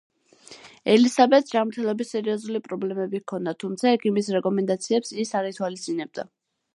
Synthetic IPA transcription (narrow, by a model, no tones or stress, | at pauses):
ɛlisabɛt̪sd͡ʒamɾt̪ʰɛlˠɔbisːɛɾiɔzulipʼɾɔblɛmɛbikʰɔnd̪at̪ʰumt̪sʰaɛkʰimisɾɛkʼɔmɛnd̪at̪sʰiɛpsisaɾit̪ʰwalist̪ʼinɛb̚d̪a̰